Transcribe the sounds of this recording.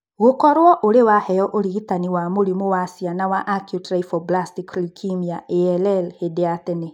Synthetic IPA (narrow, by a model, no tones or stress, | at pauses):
ɣokɔɾwɔʔoɾewahɛjɔʔoɾiɣitaniwamoɾimowasianawaʔakjutɾaifɔblastiklikʰimiaʔeɛlɛlhedeatɛne